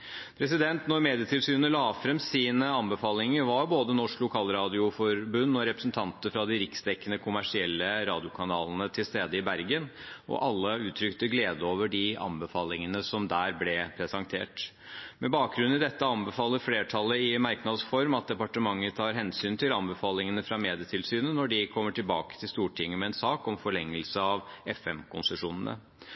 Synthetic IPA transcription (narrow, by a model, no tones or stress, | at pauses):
pʰɾɛsɪd̪ɛnt̪nɔɾmeːd̪ɪət̪ʰɪlsyːnənəlɑːfɾɛmsiːnəɑnbəfɑːlɪŋəɾʋɑɾboːd̪ənɔʂklʊkʰɑːlɾɑːd̪ɪʊfɔɾbʉnːɔɾɛpɾəsn̩t̪ʰɑnt̪əɾfɾɑd̪ɪɾɪksd̪ɛkːənəkʰʊmæʂɪɛlːəɾɑːd̪ɪʊkʰɑnɑ̰ːlnət̪ʰɪlst̪eːd̪əɪbæɾɡənʔɔ̰ʔɑlːəʉːt̪ʰɾʏkt̪əɡleːd̪əoːʋəɖɪɑ̰nbəfɑːlɪŋənəsɔmd̪æːɾblɛpʰɾɛsɑŋt̪ʰḛːʈ | mɛbɑːk̚ɡɾʉnɪd̪ɛt̪ːəɑnbəfɑːlːəɾfleːʈʰɑlːəɪmæɾknɑd̪sfɔɾmɑt̪̚d̪ɛpɑʈəmɑŋːət̪ʰɑːɾɦɛnsyːnt̪ʰɪlɑnbəfɑːlɪŋənəfɾɑmeːd̪ɪət̪ʰɪlsyːnənɔɖɪkʰɔmːəʈɪlbɑːkə̥t̪ʰɪlst̪uːʈʰɪŋːəmɛɛnsɑːkɔmfɔɭɛŋːəlsəɑʋɛfɛmkʰʊnsəʂuːnənə̰